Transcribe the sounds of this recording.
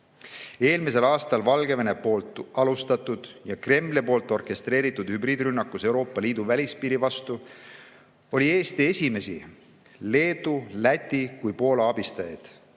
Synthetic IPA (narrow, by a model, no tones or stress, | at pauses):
e̞ːlmise̞lɑːst̪ɑlvɑlɡe̞venepo̞ːlt̪ˑɑlust̪ɑt̪ːˑud̪̥jɑkre̞mːlepo̞ːlt̪ːˑo̞rke̞st̪re̞ːɾit̪ːˑud̪̥hybɾiːd̪ɾynːɑkːˑuse̞wɾo̞ːpːˑɑliːd̪̥uvælʲispiːɾivɑst̪u | o̞lʲie̞ːst̪ie̞sʲime̞si | le̞ːd̪̥ulæt̪ʲːˑikujpo̞ːlɑɑbist̪ɑjɑ̰jd̪̥